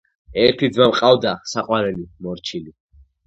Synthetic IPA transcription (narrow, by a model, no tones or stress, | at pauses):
ɛɾt̪ʰid̪zmamqʼavd̪asaqʼwaɾɛlimɔɾt͡ʃʰili